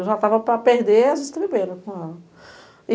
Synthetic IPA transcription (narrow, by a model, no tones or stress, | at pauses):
wʒat̪avɐpɾɐpeɾd̪eazist̪ɐbibẽɾʊ̃kõɛlɐ